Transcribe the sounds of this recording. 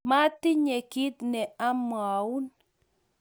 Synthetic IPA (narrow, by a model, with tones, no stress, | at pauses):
ma˦ti˦ɲɛ˨ki˦t̚nɛ˨a˦m˨a˨u˦n